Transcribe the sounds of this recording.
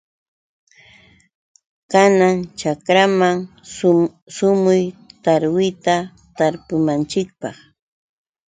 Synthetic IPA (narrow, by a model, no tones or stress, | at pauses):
kanaŋt͡ʃakɾamaŋ | sʊmʊjt̪aɾwɪjt̪a | t̪aɾpʊmant͡ʃɪk̚pɑχ